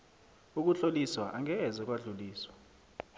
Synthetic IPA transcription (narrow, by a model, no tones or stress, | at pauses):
uk̬uɬoliswaʔaŋɛːzɔk̬ʼwaɮuliːswḁ